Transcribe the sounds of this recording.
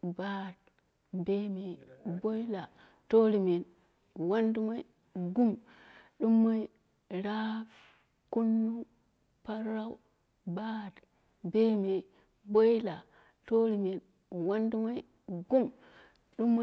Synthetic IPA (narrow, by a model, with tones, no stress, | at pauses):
ba˦t̚ | be˦me˨bo˦jla˨ | to˦ɾi˨me˨n | wa˦ndu˦ma˦i˦ | ɡu˦m | ɗu˦mːa˦i˦ | ɾa˦ | ku˦nːu˦ | pa˦ɾa˦u˦ | ba˦t | be˦me˨ | bo˦jla˨ | to˦ɾi˨me˨n | wa˦ndu˦ma˦j | ɡu˦m | ɗu˦mː˦